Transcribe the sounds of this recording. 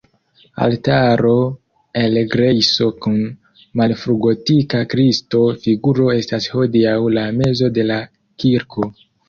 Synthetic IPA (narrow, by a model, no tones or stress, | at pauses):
a̰ltaɾo̞ | elɡɾejso̞kun | malfɾuɡo̞tikakɾisto̞fiɡuɾo̞e̞stasho̞diawlame̞zo̞de̞la | kiɾkʰo̞